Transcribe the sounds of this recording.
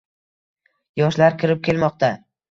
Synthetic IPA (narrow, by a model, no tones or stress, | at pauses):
jɒʃlaɾkʲʰɪɾɪp̚kʲʰe̞lmɒqt̪ʰa